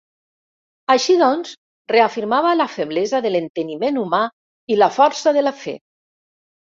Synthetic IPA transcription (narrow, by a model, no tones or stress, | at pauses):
aʃiðɔnz | reafiɾmaβəlafeβlezaðəlent̪ənimenuma | ilafɔɾsəðəlafɛ̰